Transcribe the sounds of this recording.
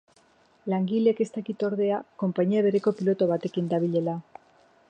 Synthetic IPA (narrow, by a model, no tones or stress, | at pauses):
laŋɡile̞ke̞st̪akit̪o̞ɾðe̞ako̞mpaɲiaβe̞ɾe̞ko̞pilo̞t̪o̞β̞at̪e̞kind̪aβ̞iʎe̞la